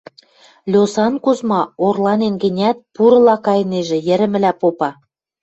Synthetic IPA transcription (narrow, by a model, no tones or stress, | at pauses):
lʲosɑnkuzmɑorlɑnenɡə̆nʲæt̪̚puɾɤ̆lɑkɑjneʒĕjə̆ɾɘ̆mɘ̆læpopɑ